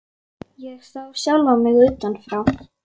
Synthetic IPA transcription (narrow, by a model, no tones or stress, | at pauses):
jɛɣsawsjalamɪɣʏːt̪anfɾaw